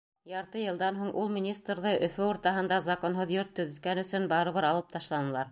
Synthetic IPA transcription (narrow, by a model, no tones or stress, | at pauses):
jɑɾt̪ɤjɤ̆lˠd̪ɑnɦuɴʔulˠmʲinʲist̪rðɤʔɵ̆fɵuɾt̪ɑɦɤ̆nd̪ɑzɑkonɦoðjoɾt̪ːɵ̆ðɵ̆t̪̚kænɵ̆sɵnbɑɾɤ̆βɤɾɑlˠɤp̚t̪ʰɑʃlˠɑnɤ̆lˠɑɾ